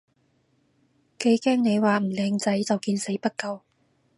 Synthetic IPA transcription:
ke˨˥jkɛː˥ŋne˨˧jwaː˨m̩˨˩lɛː˨˧ŋt͡sɐ˨˥jt͡sɐ˨wkiː˧nse˨˥jpɐ˥t̚kɐ˨˧w

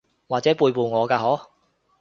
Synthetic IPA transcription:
waː˨k̚t͡sɛː˨˥puː˧jpuː˨˧ŋɔː˨˧kaː˧ɦo˨˥w

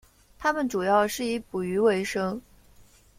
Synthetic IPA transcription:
t̪ʰa˥mə˨nʈ͡ʂu˨˩jɑ˥˧ʊʂɻ̩˥˩i˧˥pu˨˩y˧˥we˧˥ɪʂɤ˥ŋ

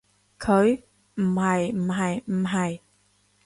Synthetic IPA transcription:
kʰə˨˦j | mha˨˩jmɦa˨˩jmɦa˨˩j

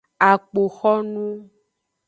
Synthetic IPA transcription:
a˨k͡po˨xɔ˦nũ˦

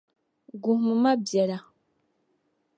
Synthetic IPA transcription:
ɡu˨hmɨ˨ma˦bjɛ˨la˨

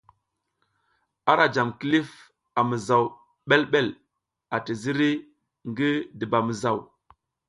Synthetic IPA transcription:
a˦ɾa˨d͡ʒa˨mki˦li˦f | a˨mə˨za˨w | ɓe˦lɓe˦l | a˨ti˨zi˦ɾi˦ | ŋɡi˦di˨ba˨mə˨za˦˨w

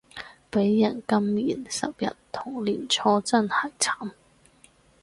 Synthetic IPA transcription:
pe˨˥jːɐ˨˩nkɐ˥mːiː˨˩nsɐ̰˨p̚jɐ̰˨tt̪ʰːʊ˨˩ŋliː˨˩nt͡sʰɔː˧t͡sɐ˥nhɐ˨˩jt͡sʰaː˨˥m

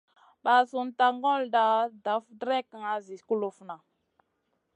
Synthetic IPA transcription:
ɓa˨su˨nta˨ŋɡo˦lda˨da˨˦fdɾe˦ka˨ŋa˨zi˨ku˦lo˨fna˨

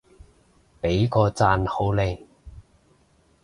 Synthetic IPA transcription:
pe˨˥jkɔː˧t͡saː˧nho˨˥wle˨˧j

